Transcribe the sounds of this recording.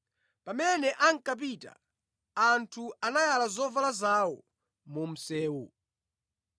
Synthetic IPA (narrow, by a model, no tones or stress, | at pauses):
pamɛnɛʔaŋ̩kap̬ita̰ | antʰuanajalazɔvalazawɔ | mum̩sɛːwu